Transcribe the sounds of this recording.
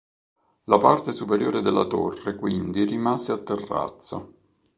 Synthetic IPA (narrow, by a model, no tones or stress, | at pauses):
lapart̪esupeɾjoːɾed̪elːa̰t̪o̰rːekwind̪irimaːzeat̪ːerːa̰t̪sːa̰